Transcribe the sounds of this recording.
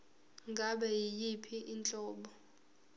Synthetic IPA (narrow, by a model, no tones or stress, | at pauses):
ŋɡʱaɓɛjijipʰiʔint͡ɬʼɔːɓɔ